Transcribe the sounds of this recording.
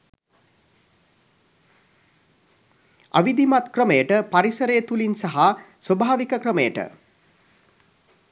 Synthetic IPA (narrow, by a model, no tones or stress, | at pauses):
a̰ʋid̪imat̪krəməjəʈəpaɾisəɾejət̪ulinsaɦa | sʋəbʱaːʋikəkrəməjəʈə̰